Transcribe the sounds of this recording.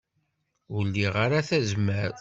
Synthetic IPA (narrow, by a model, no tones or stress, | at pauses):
ʊlːiʁaɾaθæzməɾ